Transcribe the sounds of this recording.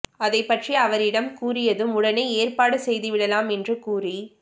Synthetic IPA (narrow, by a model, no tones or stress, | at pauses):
ɐðɐɪpːɐʈriɐʋɐɾɪɽɐmkuːrɪjɐðɯmʊɽɐnɐɪeːrpaːɽɯsɛjðɯʋɪɽɐlaːmɛndrɯkuːri